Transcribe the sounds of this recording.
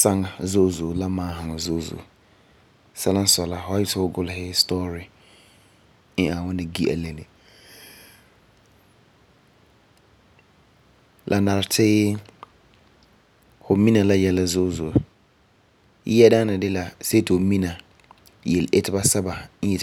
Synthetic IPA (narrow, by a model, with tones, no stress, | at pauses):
sã˦ŋ˨zo˦˨zo˨la˦mãː˨˦hã˨ŋ˨zo˦˨zo̰˨ | sɛ˦lã˦n˦sɔ˨la˨hɔ˦a˦jɪ˦tʰʊ˨wʊ˦ɡʊ˦lhɪ˦stɔ˦ɾi˨ | n˦ã˨wʊ̃˦nɪ̃˨ɡi˦ʔæ̰˨lɛ̃˨nɪ̃˨ | lʔa˨nã˨ɾtʰɪ˦ | hʊ˨mĩ˦nã˨la˦jɛ˨la˨zʊ˦˨zo˨˦ | ɛ˦dã˦nɪ̃˨dɪ˦la˨se˦tʰo˨mĩ˦nã˨ | jɛ˨le˦tʰɪ˦ba˦sa˦ba˨n˦ɛ˨